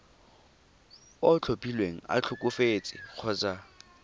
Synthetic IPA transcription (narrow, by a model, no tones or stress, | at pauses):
ɔt͡ɬʰopʼilweŋ̩a̰t͡ɬʰʊkʼʊfet͡sʼɪ̰k͡xʰʊt͡sa